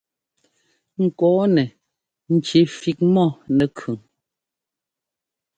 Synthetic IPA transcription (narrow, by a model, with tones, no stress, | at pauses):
ŋ̩˨kɔː˨˦nɛ˨ | n̩˨t͡ʃe˨˦fi˦k̚mɔ˦˨nɛ˨kʰʉ˨ŋ